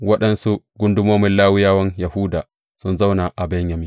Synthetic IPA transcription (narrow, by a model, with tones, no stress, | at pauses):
wɐ˦ɗɐ˦nsu˦ɡʷʊ˦ndʊ˦moː˦mɪ˦nlaː˦wɪ˦jaː˦wɐ˦ɲjɐ˨hu˦daː˨ | sʊ˦nza˦wna˨ʔa˨bɐ˦ɲjɐ˨miː˦